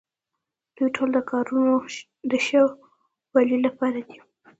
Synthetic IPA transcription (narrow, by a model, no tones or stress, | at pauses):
d̪̥ujʈʰold̪əkɑɾuno | d̪əʃaw | walilapɑɾad̪i̥